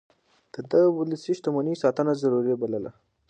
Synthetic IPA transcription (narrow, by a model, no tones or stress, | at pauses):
d̪̥əd̪əɣwʊlisiʃt̪amanisɑt̪ənazaɾuɾibaləla̰